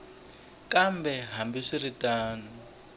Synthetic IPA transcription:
kambɛɦambiʂiritʼaːnu

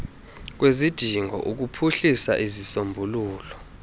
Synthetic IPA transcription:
k̬wezid̥ʱiŋʱɔ̰ʔuk̬upʰuɬisa̰ʔizisombʱuluːlɔ

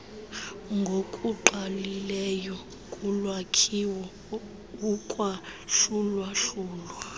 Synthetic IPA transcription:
ŋɡʱokʼuǃʱalilɛjɔ | kʼulwakʰiwɔ | ukʼwaɬulwaɬuːlwa

